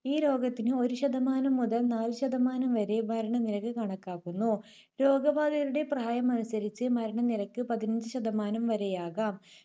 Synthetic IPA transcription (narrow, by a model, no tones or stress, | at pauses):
iːɾo̞ːɡɐt̪ːinɨo̞ɾuɕɐd̪ɐmaːnɐmːuðɐlnaːlɕɐd̪ɐmaːnɐmʋɐɾe̞mɐɾɐɳɐniɾɐkːɨkɐɳɐkːaːkːunːu | ɾo̞ːɡɐbaːd̪ɐɾuɽe̞prɐaːjɐmɐnusɐɾit͡ɕːɨmɐɾɐɳɐniɾɐkːɨpɐðinɐɲd͡ʑɨɕɐd̪ɐmaːnɐmʋɐɾe̞jaːɣaːm